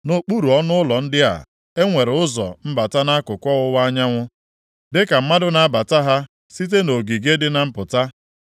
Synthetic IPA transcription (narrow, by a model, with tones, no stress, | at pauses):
no˨k͡pu˦ɾu˨ɔ˦nʊ˦ʊ˦lɔ˨n̩˦dɪ˦a̰˨ | e˦ŋʷe˨ɾʊ˦zɔ̰˨m̩˦ba˨ta˦na˦kʊ˨kʷɔ˦ɣʊ˦wa˦ɲa˦ŋʷʊ˦ | dɪ˦ka˨m̩˦ma˦dʊ˦na˦a˦ba˨ta˦ɦa˦ | si˦t̬e˦no˨ɡi˨ɡe˦dɪ˦na˨m̩˦pʊ˨ta˦